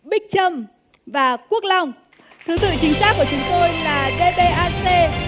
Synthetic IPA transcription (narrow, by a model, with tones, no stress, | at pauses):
ɓï˦˥k̟̚t͡ɕə˧m | vaː˨˩ku˦˥ək̚la˧wŋ͡m | t̪ʰɨ˨˦t̪ɨ̰˧˨t͡ɕï˨˦ŋ̟saː˦˥kːu˧˩ət͡ɕʊ˨˦ŋ͡mt̪o˧jlaː˨˩ɗe˧ɓe˧ʔaː˧se˧